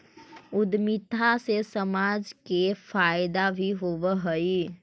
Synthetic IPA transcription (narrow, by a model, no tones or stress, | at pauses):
ʊd̪mit̪asesəmaːd͡ʒkefʰaːjd̪abʱiɦobəɦəi